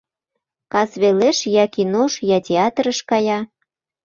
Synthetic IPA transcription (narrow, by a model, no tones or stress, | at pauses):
kɑzβeleʃjɑkinoʃjɑtʲeɑt̪rə̆ʃkɑjɑ